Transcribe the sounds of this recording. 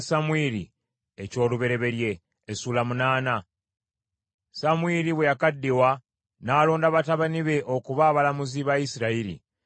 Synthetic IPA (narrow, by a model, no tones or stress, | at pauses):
samwiɾḭ | eco̞ːluβe̞ɾe̞βe̞ɾje̞ː | suːlamunaːna | samwiɾiβwe̞jakadːiwa | naːlo̞ːndaβataβaniβe̞ʔo̞kuβaːβalamuziβaisiɾaiɾḭ